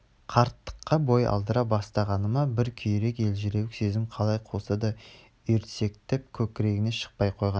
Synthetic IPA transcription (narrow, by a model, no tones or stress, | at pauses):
qʰɑɾt̪ːə̥qːɑbo̞jɑ̰lˠd̪əɾɑbɑst̪ɑʁɑnəmɑbɪɾkʲʰʏjɾe̞ke̞lʒɪɾewɪkse̞zɪmqʰɑlˠɑjqʰo̞səd̪ə | ʏɾt̪se̞kt̪ep̚kʲʰɵkʲɪɾe̞ɡʲɪne̞ʃə̥q̚pɑjqʰo̞jʁɑn